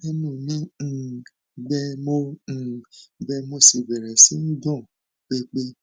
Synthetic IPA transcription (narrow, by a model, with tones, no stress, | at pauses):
e˦nũ˦˨nĩ˦˨ | ɡ͡bɛ˧mõ˧˨ | ɡ͡bɛ˧mo˧si˨bɛ˨ɾɛ˨si˨˦n̩˦dɔ̃˦˨ | k͡pe˧k͡pe˧